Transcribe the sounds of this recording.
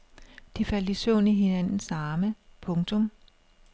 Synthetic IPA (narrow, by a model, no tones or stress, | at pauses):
d̥ifæl̰d̥isɔ̰ːniɦe̝nænn̩sɑ̈ːməpʰɔ̽ŋt͡sʰɔ̽m